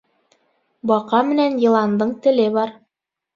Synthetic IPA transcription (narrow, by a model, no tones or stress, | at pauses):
bɑqɑmɘ̆nænjɤ̆lˠɑnd̪ɤɴt̪ɘ̆lɘβɑɾ